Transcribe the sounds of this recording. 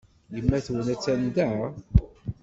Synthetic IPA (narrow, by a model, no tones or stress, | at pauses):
jəmːæθwənæt͡sːænd̪æʕa